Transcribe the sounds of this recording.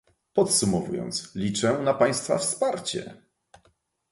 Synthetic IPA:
pɔt̪sumɔvujɔ̰nt̪slʲit͡ʂɛnapaj̃st̪fa̰fspaɾt͡ɕɛ̰

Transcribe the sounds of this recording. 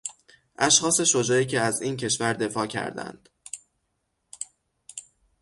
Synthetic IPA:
ʔæʃxɒːse̞ʃo̞d͡ʒɒːiːcʰe̞æziːncʰe̞ʃvæɾd̪e̞fɒːcʰæ̰ɾd̪æ̰nd̪̥

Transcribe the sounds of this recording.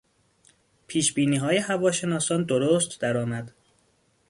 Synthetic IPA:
pʰiːʃbiːniːɦɒːje̞hævɒːʃe̞nɒːsɒːnd̪oɾoːst̪d̪æɾɒːmæd̪̥

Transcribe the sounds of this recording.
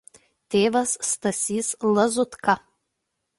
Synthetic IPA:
t̪ʲeːʋɐsːt̪ɐsʲiːslˠɐzʊt̪kɐ

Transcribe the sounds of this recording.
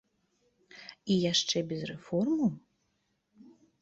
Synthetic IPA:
ijaʂt͡ʂɛbʲɛzrɛfɔrmu

